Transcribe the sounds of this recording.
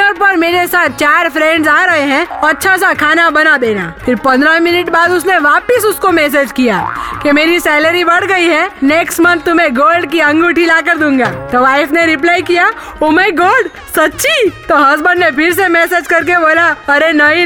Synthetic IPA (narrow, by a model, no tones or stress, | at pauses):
əɾpɐɾmeːɾesaːt̪̚t͡ʃaːɾpʰɾɛ̃ːɳɖzaːɾɐɦeɦɛ̃ɔɐtːʃʰas̬akʰaːnabɐnad̪eːnaːpʰɪɾpɐ̃nd̪ɾamɪnəʈbaːd̪ʊsneʋaːpɪsʊskomɛːs̬ed͡ʒkijaːkemeːɾisɛːləɾibɐɽ̤ɡɐiɦɛneːksʈmɐ̃nt̪ːʊmẽɡoːlɖk̬iɐ̃ŋɡuʈʰilaːkəɾd̪ũːŋɡaːt̪oʋaːɪfʰneɾɪplaːikija | oːmaːiɡoːlɖ | sɐtːʃit̪oɦɐzbə̃nnepʰɪɾsemɛːseːd͡ʒkɐɾk̬eboːlaɐɾenɐi